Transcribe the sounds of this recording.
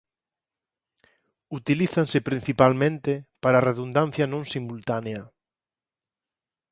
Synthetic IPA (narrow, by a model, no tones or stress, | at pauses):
ut̪iliθansɪpɾin̟θipalmẽnt̪ɪpaɾaːreðund̪an̟θjɐnõŋsimult̪aneɐ